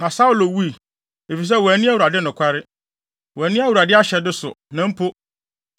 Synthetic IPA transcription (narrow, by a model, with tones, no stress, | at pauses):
nã˨sa˦u˨lo˨wu˦i˨ | e˨fi˨s̬ɛ˦wæ˨˦nĩ˦a˦wu˨ɾa˨dɪ˦nʊ̃˨kʷʰa˦ɾɪ˦ | wɔ˨æ˨nĩ˦a˦wu˨ɾa˨dɪ˦a˦ɕɛ˨dɪ˦sʊ̰˨nã˨m̩˦pʰo˦